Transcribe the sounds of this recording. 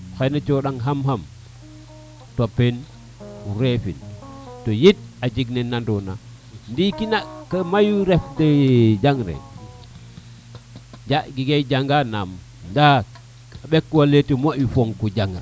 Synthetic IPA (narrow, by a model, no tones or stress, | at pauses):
xanat͡ʃoɗaŋɦamɦam | topːen | uɾefḭntojit̚ad͡ʒiɡnenːandona̰ | ndikinakːamajuɾefded͡ʒaŋɾḛ | d͡ʒaɡiɡejd͡ʒaŋɡanam | nda | aɓekːuwaletimoʔjufoŋkud͡ʒaŋɾe